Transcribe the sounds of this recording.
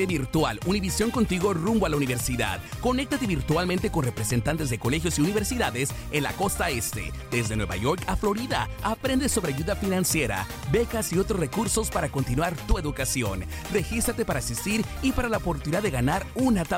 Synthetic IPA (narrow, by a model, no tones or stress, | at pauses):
eβiɾt̪waluniβisjo̞ŋko̞nt̪iɣo̞rumboalauniβe̞ɾsiða̰ðko̞ne̞k̚t̪at̪e̞βiɾt̪walmẽnt̪e̞ko̞nrepɾese̞nt̪ant̪e̞zðekolexjo̞siuniβe̞ɾsiðaðes | enla̰ko̞st̪aest̪e̞̰ | ðe̞zðe̞nwe̞βa̰ʝo̞ɾkaflo̞ɾiðaapɾe̞nd̪esːo̞βeaʝuðafinãnsje̞ɾa̰ | be̞kasio̞t̪ɾosre̞kuɾso̞spaɾako̞nt̪inwaɾt̪ue̞ðukasjo̞n | re̞xist̪ɾat̪e̞paɾaːsist̪iɾipaɾalaopoɾt̪uniðaðeɣanaɾunat̪a